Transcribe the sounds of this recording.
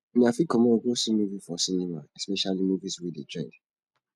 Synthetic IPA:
mĩafikʰɔmɔ̃oɡosimuvifɔsinĩmaɛspɛʃalimuviswided͡ʒɹɛ̃d

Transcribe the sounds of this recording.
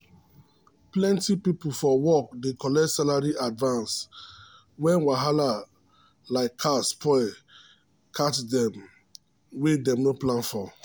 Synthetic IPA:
plɛ̃ntipipufɔwɔk̚dekʰɔlɛtsalaɹiʔadvãns | wɛ̃nwaɦala | laɪkʰːaspʰɔɪ | kʰatdɛ̃m | wedɛ̃mnoplãnfɔ

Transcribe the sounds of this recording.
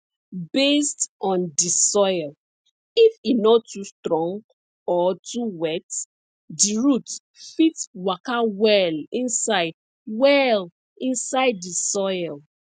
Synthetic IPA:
bestɔ̃ndisɔɪl | ifinɔtːustɹɔ̃ŋɡ | ɔtuwɛt | diɹut | fitwakawɛlĩnsaɪd | wɛl | ĩnsaɪdːisɔjl

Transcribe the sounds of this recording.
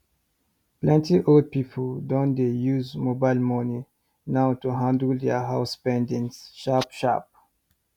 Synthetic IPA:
plɛ̃ntiʔold̚pipʰəldɔ̃ndejuzmobaɪlmɔni | nawtuɦãndəld̪ɛɦaʊspɛ̃ndĩŋsʃapʃa̰p̚

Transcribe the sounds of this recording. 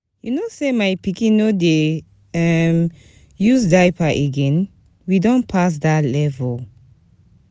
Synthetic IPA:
junosemajpikĩnode | ɛm | jusdajpaʔeɡɛ̃n | widɔ̃npʰas̬datlɛvɔl

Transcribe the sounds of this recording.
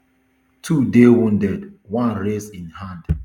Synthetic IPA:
tʰudewũndɛd | wãnɹesĩnhãnd

